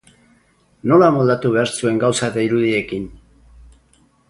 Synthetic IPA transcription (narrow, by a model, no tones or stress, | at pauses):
no̞lamold̪at̪uβ̞e̞aɾsue̞ŋɡawsaet̪aiɾuðie̞kin